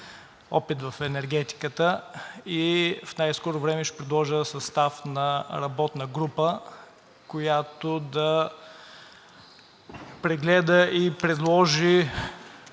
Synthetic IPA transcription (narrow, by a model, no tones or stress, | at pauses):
ɔ̰pit̪vɐfɛnɛɾɡ̟ɛt̪i̥kət̪əifnajskɔɾovɾɛmɛʃɛ̥pɾɛd̪lˠɔʒəsɐst̪afnɐɾɐbɔt̪nəɡɾupə | kojat̪od̪ɐ | pɾɛɡlɛd̪əʔipɾɛd̪lˠɔʒi